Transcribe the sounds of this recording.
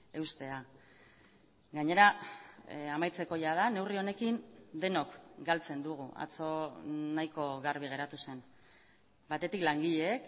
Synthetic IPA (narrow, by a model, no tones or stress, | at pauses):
e̞wst̪e̞a | ɡaɲe̞ɾa | amajt͡se̞ko̞jað̞ane̞wrio̞ne̞kind̪e̞no̞kɡalt͡se̞nd̪uɣ̞ua̰t͡so̞najko̞ɣarβ̞iɣ̞e̞ɾat̪use̞n | bat̪e̞t̪iklaŋɡiʎeːk